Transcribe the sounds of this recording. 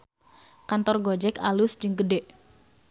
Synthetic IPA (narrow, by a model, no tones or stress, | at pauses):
kant̪ɔrɡod͡ʒɛkalʊsd͡ʒɨŋɡədɛʔ